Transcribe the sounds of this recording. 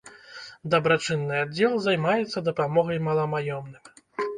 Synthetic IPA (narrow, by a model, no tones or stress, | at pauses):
d̪ɐbɾat͡ʂɨnːɨad͡zʲːɛlˠzajmajɛt̪sːɐd̪ɐpamɔɣɐjmɐlˠɐmajɔmnɨmʲ